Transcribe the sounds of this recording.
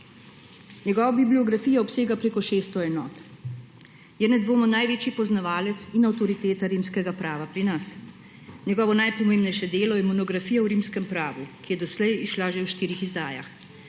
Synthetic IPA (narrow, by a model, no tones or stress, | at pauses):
nɲɛɡɔːʋabibliɔɡɾafiːjaɔpseːɡapɾeːkɔʃeːst̪ɔɛnɔːt̪ | jɛnɛd̪ʋoːmɔnajʋeːt͡ʃipɔznaʋaːlɛt̪sinawt̪ɔɾit̪eːt̪aɾimskɛɡapɾaːʋapɾinas | ɲɛɡɔːʋɔnajpɔmembnɛjʃɛd̪eːlɔjɛmɔnɔɡɾafiːjawɾiːmskɛmpɾaːʋukijɛd̪ɔslɛjiʃlaʒewʃt̪iːɾixizd̪aːja̰x